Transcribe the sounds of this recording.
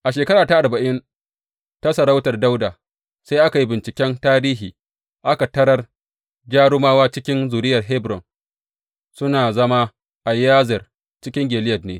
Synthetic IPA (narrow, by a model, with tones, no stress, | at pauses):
ʔa˨ʃeː˨kɐ˦ɾaː˨ta˦ʔa˨rba˨ʔɪ˦n | ta˦sɐ˨ɽa˦wtɐ˨rda˦wdaː˨ | sa˦jʔa˦ka˨ji˦bɪ˨nt͡ʃɪ˨kʲɛ˦ntaː˦ɾiː˦ɦiː˨ | ʔa˦ka˨tɐ˦ɾɐ˦r | d͡ʒaː˦ɽʊ˦maː˦waː˦t͡ʃɪ˦kʲɪ˦nzuː˨ɾɪ˦jɐ˨rɦɛ˦bɾɔ̰˨n | sʊ˦naː˨zɐ˦ma˦ | ʔa˨jaː˦zɪ˨r | t͡ʃɪ˦kʲɪ˦ŋɡʲeː˨lɪ˦jɐ˨dnḛː˨